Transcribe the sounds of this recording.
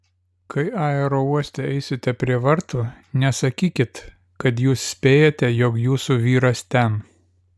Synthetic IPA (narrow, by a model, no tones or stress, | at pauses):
kʰɐɪɑːɛɾoːuɔsʲt̪ʲɛɛɪsʲɪt̪ʲɛpʲɾʲiɛʋɐɾt̪u | nʲɛsɐkʲiːkʲɪt̪ | kɐt̪̬juːssʲpʲeːjot̪ʲɛjɔkjuːsuʋʲiːɾɐst̪ʲɛn